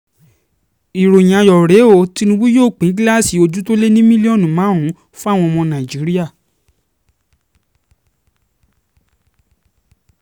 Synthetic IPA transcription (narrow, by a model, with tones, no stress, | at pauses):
i˨ɾo˨j̃ã˨jɔ˨ɾe˨˦o˦˨ti˧nũ˧bũ˦joː˦˨k͡pĩ˨˦ɡla˦˨si˨o˧d͡ʒu˦to˦le˦nĩ˦mĩ˦li˦ɔ˦˨nũ˨mãː˨˦ɦũ˨˦ | fũ˦a˦˨w̃ɔ̃˧mɔ̃˧nã˨i˨d͡ʒi˨˦ɾi˦a˦˨